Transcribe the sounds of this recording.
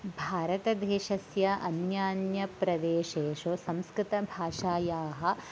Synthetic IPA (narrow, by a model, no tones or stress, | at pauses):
bʱaːɾɐt̪ɐd̪eːʃɐsjɐɐnjaːnjɐpɾɐd̪eːʃeːʃosɐmskɾɪt̪ɐbʱaːʃaːjaːɦɐ̆